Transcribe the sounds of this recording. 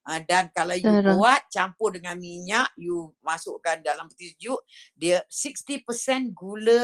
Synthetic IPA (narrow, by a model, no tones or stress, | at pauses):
ədankalawjuuat̪̚t͡ʃampʊrdəŋanmiɲaʔjumasʊʔkandalambət̪isd͡ʒuʔdiəsikst̪ipəsɛnɡulə